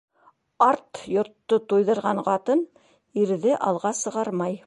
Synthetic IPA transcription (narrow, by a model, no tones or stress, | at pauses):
ɑɾt̪jŏɾt̪ːot̪ujðɤ̆ɾʁɑɴqɑt̪ɤn | iɾðɘʔɑlˠʁɑsɤ̆ʁɑɾmɑj